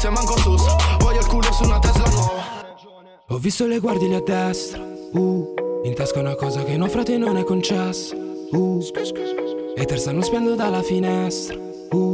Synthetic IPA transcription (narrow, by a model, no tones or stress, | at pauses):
samaŋkɔsosovɔʎːalkuːlosunat̪ːɛza | ɔvːist̪oleɡward̪jilead̪ːɛst̪ɾauint̪askaunakɔːzak̟enɔfɾaːt̪enonɛkːont͡ʃɛsːḁ | u | ɛt̪ːerst̪anːospɛnd̪od̪alafinɛst̪ɾḁ